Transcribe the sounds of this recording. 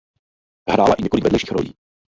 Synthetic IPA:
ɦɾa̰ːla̰ʔiɲɛkolɪkvɛdlɛʃiːxɾo̰jḭː

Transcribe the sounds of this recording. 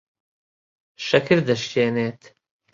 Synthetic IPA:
ʃɐkʰiɾd̪ɐʃt͡ʃeːneːt̪

